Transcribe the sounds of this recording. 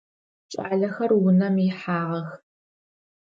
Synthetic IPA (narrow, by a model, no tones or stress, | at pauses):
t͡ʃʼaːɮɐxɐrwʊnɐmiħaːʁɐx